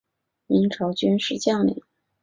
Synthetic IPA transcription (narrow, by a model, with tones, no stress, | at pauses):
mi˧˥ŋʈ͡ʂʰo˧˥ʊt͡ɕy˥nʂɻ̩˥˧t͡ɕjɑ˥˩ŋlḭ˨˩˥